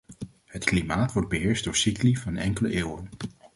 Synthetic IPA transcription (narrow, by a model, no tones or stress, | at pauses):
ɦətklimaːtʋɔɹd̚bəɦɪːɹsdʊːɹsiklivɑnɛ̰ŋkələʔeːwən